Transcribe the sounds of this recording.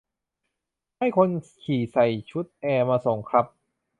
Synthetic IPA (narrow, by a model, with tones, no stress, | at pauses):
ha˥˩jkʰo˧nkʰiː˨˩sa˨˩jt͡ɕʰu˦˥t̪̚ʔɛː˧maː˧so˨˩˦ŋkʰɾa˦˥p̚